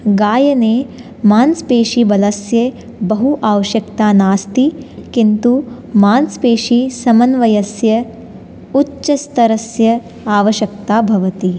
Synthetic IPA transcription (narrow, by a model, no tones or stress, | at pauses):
ɡaːjɐneː | maːnspeːʃibɐlɐsjeː | bɐɦuʔaːʋɐʃjɐkt̪aːnaːst̪ikint̪u | maːnspeːʃisɐmɐnʋɐjɐsjɐ | utːʃɐst̪ɐɾɐsjɐ | aːʋɐʃjɐk̚t̪aːbʱɐʋɐt̪i